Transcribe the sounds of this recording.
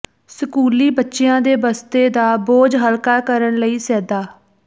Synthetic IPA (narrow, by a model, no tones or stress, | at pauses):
səkuːliːbətːʃejãːd̪eːbəst̪eːd̪aːboːd͡ʒɦəlkaːkəɾəɳləiːsɛːd̪aː